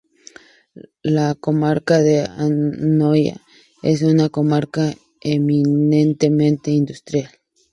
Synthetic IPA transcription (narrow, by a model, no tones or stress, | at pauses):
lakomaɾkaðea̰noja̰ | ḛs̬unakomaɾka | eminent̪emẽnt̪eind̪ust̪ɾjal